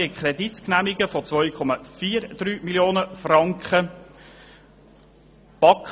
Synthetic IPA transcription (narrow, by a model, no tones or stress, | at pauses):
əkχrɛd̪itknæmiɡəfɔt͡sʋɔʏkʰɔmɑfiːɾd̪̥ɾyːmiljoːnəfrɑŋkχə | b̥ɑk